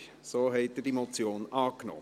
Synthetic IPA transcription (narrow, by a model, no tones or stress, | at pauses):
soːɦɛɪt̚dəd̥imot͡sjoːnʔɑːkno̰ː